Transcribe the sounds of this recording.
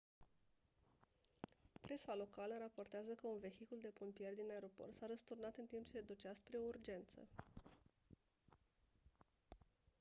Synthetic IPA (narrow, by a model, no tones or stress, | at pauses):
pɾe̞salo̞kaləɾapo̞rt̪eazəkəunve̞xikuld̪e̞pompije̞rʲd̪inae̞ɾo̞port̪saɾəst̪urnat̪ɨnt̪impt͡ʃe̞sed̪ut͡ʃaspɾeourd͡ʒe̞nt̪sə̰